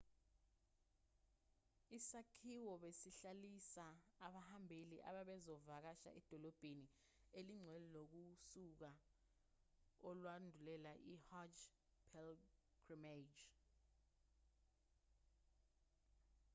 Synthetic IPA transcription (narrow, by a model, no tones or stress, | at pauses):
isakʰiwɔɓesiɬalisaːɓahambʱeliʔa̰ɓaɓɛzɔvak̬aʃa̰ʔɛd̥ʱɔlɔb̥ʱeni | eliŋ͡ǀʱwɛlɛlok̬usuk̬a | ɔlwandʱulɛlaʔihad͡ʒ | pʰɛlɡ̥rimed͡ʒ